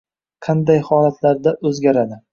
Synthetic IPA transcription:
qʰɑnd̪ajhɒlat̪ʰlaɾd̪aʔɵzɡʲaɾad̪ɪ

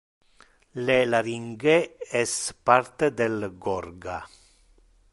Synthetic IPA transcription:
lelaɾiŋɡeɛspart̪ed̪elɡɔrɡa

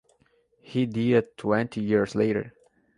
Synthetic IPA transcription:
hiditʰwɛ̃ntʰijiɹsleɪɾə̰˞

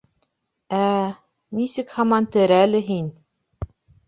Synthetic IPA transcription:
æ | nisɘkhɑmɑnt̪ɘ̆ɾælɘɦin

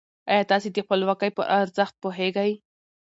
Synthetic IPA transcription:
ajɑt̪ɑsid̪ixpəlwakajpə̰ʔaɾzaxt̪̚poɦeɡaj

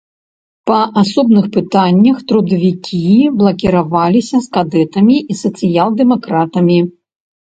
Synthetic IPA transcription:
pɐasɔbnɨxpɨt̪anʲːɐxt̪ɾud̪ɐvʲikʲiblˠɐkʲiɾavalʲisʲɐskad̪ɛt̪ɐmʲiʔisɐt̪sɨjalˠd̪ɛmakɾat̪ɐmʲi

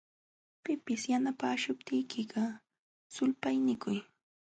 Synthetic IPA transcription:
pɪpɪsjanapaːʃʊp̚t̪ɪjkɪɢɑ | sʊlpajnɪkʊj

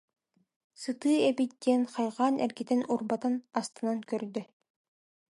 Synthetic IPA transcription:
sɯt̪ɯːɛbit̪̚d̪iɛnχajʁaːnʔɛ̰ɾɡit̪ɛnuɾbat̪anast̪ɯnankœɾd̪y

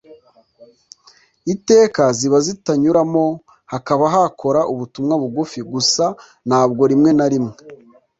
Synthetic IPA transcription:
ite̞ːkaziβazitaɲuɾamo̞ | hakaβaɦakʰo̞ɾaʔuβutumŋaβuɡufiɡusa | n̥haːb̚ɡo̞ɾimŋe̞naɾimŋe

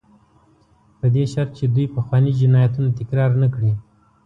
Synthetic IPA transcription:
pəd̪eʃaɾt̪̚t͡ʃed̪ujpəxwɑnid͡ʒɪnɑjat̪unat̪ɪkɾɑːɾnakɽi

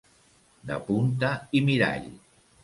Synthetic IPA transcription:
d̪ə̰punt̪̬aimiɾa̰ʎ

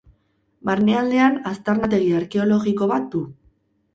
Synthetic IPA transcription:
baɾneald̪e̞anast̪aɾnat̪̬eɣiaɾke̞o̞lo̞ɣiko̞βat̪̚d̪u

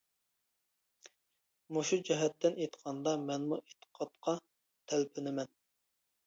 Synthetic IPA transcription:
moʃud͡ʒɛɦɛt̪ːɪnet̪qʰɑnd̪ɑmɛnmuʔet̪ʰə̥qʰɑt̪̚qʰɑ | t̪ʰælpʰɪnɪmɛn

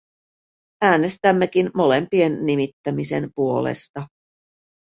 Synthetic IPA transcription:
æːne̞st̪æmːe̞k̟inmo̞le̞mpie̞nːimit̪ːæmise̞̰mpuo̞̰lḛst̪ɑ

